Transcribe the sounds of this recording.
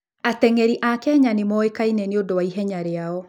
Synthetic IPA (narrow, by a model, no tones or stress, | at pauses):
atɛŋɛɾiʔakɛɲanemɔekainɛneodowaiɦɛɲaɾeaɔ